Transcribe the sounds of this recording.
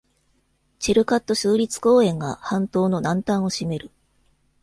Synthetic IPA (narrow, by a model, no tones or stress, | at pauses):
t͡ɕiɾɯ̟kat̪ːo̞ɕɨːɾʲit͡sɨ̥ko̞ːẽ̞ŋɡahãnt̪o̞ːno̞nãnt̪ãɰ̃o̞ɕime̞ɾɯ̟